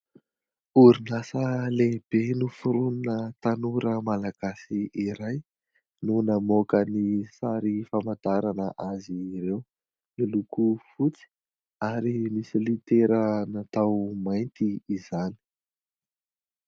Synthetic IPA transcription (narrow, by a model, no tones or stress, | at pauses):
uɾinasəleb̥enufuɾununət̪anuɾəmalaɡ̥asiiɾaj | nunamokənisaɾifamad̪aɾanəʔaziɾew | nilukufut͡si̥ | aɾimisilit̪eɾənat̪awmajnt̪iːzani̥